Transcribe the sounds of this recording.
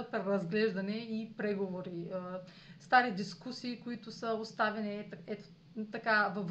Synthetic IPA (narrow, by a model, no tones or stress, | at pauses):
əpɾɛɾɐzɡlɛʒd̪ɐnɛipɾɛɡovoɾiə | st̪aɾid̪iskusiːkʊit̪ʊsəost̪avɛnit̪ɛt̪ | t̪ɐkavɐv